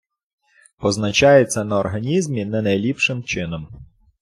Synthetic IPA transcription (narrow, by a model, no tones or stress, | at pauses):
pɔznɐt͡ʃɑjet͡sʲːɐnɐɔrɦɐnʲizmʲinɐnɐjlʲipʃɪmt͡ʃɪnɔm